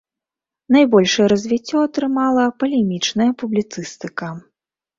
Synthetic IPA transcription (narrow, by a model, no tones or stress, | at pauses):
nɐjbɔlʲʂɐjɛɾɐzʲvʲit͡sʲːɔɐt̪ɾɨmalˠɐpɐlʲɛmʲit͡ʂnɐjɐpublʲit̪sɨst̪ɨkɐ